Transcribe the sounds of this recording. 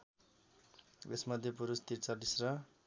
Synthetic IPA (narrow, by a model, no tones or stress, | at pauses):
esmʌd̪ʱjepuɾust̪iɾt͡sʌdisrʌ